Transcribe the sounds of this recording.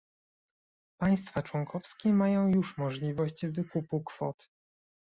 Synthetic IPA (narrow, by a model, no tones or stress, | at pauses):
paj̃st̪fat͡ʂwɔŋkʰɔfskʲɛmajɔ̃w̃juʂmɔʐlʲivɔɕt͡ɕvɘkupukfɔt̪